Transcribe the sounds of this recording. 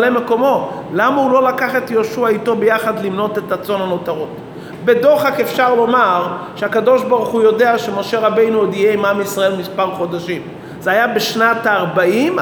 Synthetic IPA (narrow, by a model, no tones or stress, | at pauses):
lemeko̞mo̞lamahulo̞lakaχe̞t̪joʃuaito̞bejaχad̪limno̞t̪etat͡so̞nano̞t̪aʁot | be̞do̞χakefʃaʁlo̞maʁʃeakado̞ʃbaʁuχujo̞de̞aʃemo̞ʃe̞ʁabe̞jnuod̪ijeimamisʁae̞lmispaʁχo̞d̪aʃim | z̥eajabeʃnat̪aːʁbaim